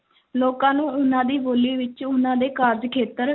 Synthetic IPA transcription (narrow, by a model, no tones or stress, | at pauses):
loːkãːnũːʊnãːd̪iːboːliːʋɪt͡ʃʊnãːd̪eːkaːɾd͡ʒkʰeːt̪əɾ